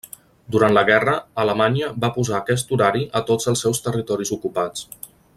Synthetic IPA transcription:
d̪uɾant̪ləɣɛrəələmaɲiəbapuzaːkɛs̬t̪uɾaɾiʔət̪od͡zəlˠsɛwst̪ərit̪ɔɾizukupat͡s

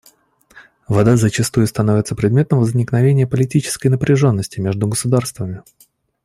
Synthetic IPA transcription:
vɐd̪azət͡ɕɪst̪ujʊst̪ɐnovʲɪt̪səpɾʲɪd̪mʲe̞t̪əmvəzʲnʲɪknɐvʲenʲɪjəpəlʲɪtʲit͡ɕɪ̥skəjnəpɾʲɪʐo̞nːəsʲtʲɪmʲe̞ʐd̪ʊɡəsʊd̪arst̪vəmʲɪ

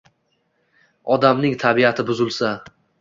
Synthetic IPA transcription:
ɒd̪amnɪŋt̪ʰabiat̪ʰɪbʊzɪlˠsa

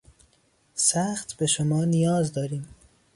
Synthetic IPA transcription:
sæxt̪b̥e̞ʃomɒːnijɒːzd̪ɒːɾiːm

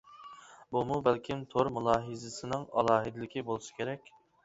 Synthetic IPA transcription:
bumubælkʲʰimt̪ʰoɾmulˠɑːɦɨzɨsɨnɪŋɑ̰lˠɑːɦɨd̪ɪlɪkʲibolˠɨsɨ̥kʲʰeɾɛkʲ

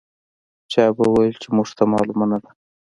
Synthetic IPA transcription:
t͡ʃɑjbauwajelt͡ʃemuʐt̪amɑ̰lumanad̪a

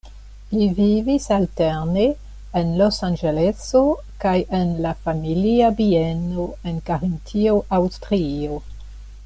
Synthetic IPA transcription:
livivisalteɾneː | nlosand͡ʒeleso | kajenlafamiliabieno̞enkaɾintʰioʔawstɾio

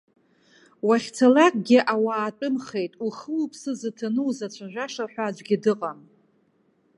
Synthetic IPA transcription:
waχʲt͡sʰalakʼɡʲɪʔawaːt͡pʼʊmχe̞jtʼuχəlupʰsɨzɨtʰanɨwzat͡ɕʷʰaʒᶣʷaʂaħʷᶣad͡ʒʷɡʲɪdɨqʼam

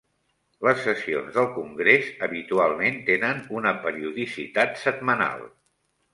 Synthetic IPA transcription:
ləsːəsio̰nzðəlˠkuŋɡɾezəβit̪ualˠment̪enənunəpəɾiuðisḭt̪at̪səd̪̚məna̰lˠ

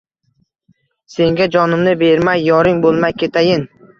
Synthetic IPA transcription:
se̞ŋɡʲad͡ʒɒnɪmnɪbe̞ɾmajːɒɾɪŋbolˠmajkʲʰet̪ʰajɪn

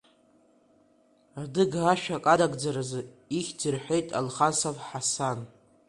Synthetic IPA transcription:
rdɨɡaʃᶣakʼadaɡʼd͡zaɾazɨ | iχʲdɨrħʷejtʼa̰lχasavħasan

